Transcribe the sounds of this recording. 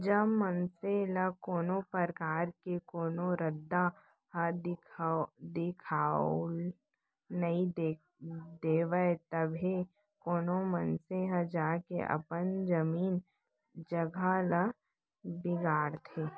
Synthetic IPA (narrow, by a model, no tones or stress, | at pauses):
d͡ʒɐbmənselɐkoːnopəɾkaːɾkekoːnoɾəd̪ːa | ɦəd | d̪ɪkʰaːl | nɐĩd | d̪eːʋəet̪ɐbʱe | koːnomənseɦəd͡ʒaːkḛʔɐ̰pənd͡ʒɐmiːn | d͡ʒɐɡʱalə | bɪɡaːɽt̪ʰeː